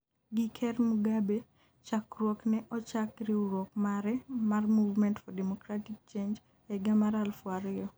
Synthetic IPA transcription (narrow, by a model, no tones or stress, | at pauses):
ɡikʰɛrmuɡabe | t͡ʃakrwoknɛʔɔt͡ʃakɾiuɾwokmaɾɛmarmuvmɛntfɔdɛmɔkɾatik̚t͡ʃend͡ʒ | ɛɡamaɾalfwaɾɪɔ